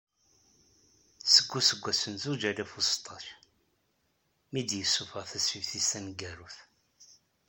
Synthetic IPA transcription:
səɡʷːusəɡʷːæsənzud͡ʒælæfust̪ˤʰɑç | mid̪jəsːufəʁθæsivθisænɡæɾuθ

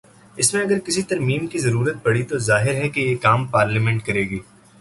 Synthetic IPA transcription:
ɪsmẽɐɡəɾkɪsit̪ɐɾmiːmkizɐɾuːɾət̪̚pɐɽit̪ozaːɦɪɾɦɛkejeːkaːmpaːɾləmɛ̃ɳʈkɐɾeːɡiː

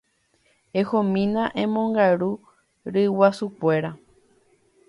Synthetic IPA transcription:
ehõmĩnãʔẽmõ̞ŋɡaɾu | ɾɨwasukʷe̞ɾa

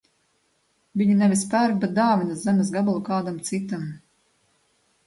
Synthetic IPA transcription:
vʲiɲinɛvʲispæɾvbʲɛt̪̚d̪aːvʲinaszæmʲɛs̬ɡabalˠukaːd̪amt̪sit̪am

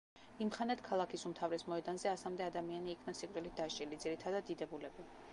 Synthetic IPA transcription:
imχanɛt̪ʰkʰalˠakʰisumt̪ʰavɾɛsmɔɛd̪anzɛasamd̪ɛad̪amianiːkʰnasikʼɾʼilit̪̚d̪aʃt͡ʃʼilid̪ziɾit̪ʰad̪ad̪ːid̪ɛbulɛbi

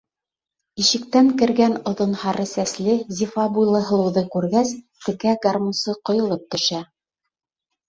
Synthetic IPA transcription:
iʃɘ̆k̚t̪æŋkɘ̆ɾɡænŏðŏnhɑɾɤsæslɘzʲifɑbujlˠɤ̆ɦɤ̆lˠɤ̆wðɤkʉɾɡæst̪ɘ̆kæɡarmusɤqŏjŏlˠɤp̚t̪ɵ̆ʃæ

